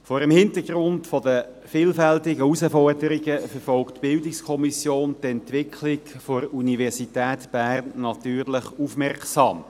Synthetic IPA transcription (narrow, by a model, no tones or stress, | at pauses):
fɔːɾəmhɪntəɡɾʊntfɔdə | fiːlfɛltɪɡəusəfɔrdəɾiɡəfəɾfɔlktb̥ɪldɪkskʰɔmisjoːntɛntʋɪkʰlɪkfoɾunivɛʁsitɛːtb̥æːʁnːɑt̪yːʁləχufmɛrksɑ̰ːm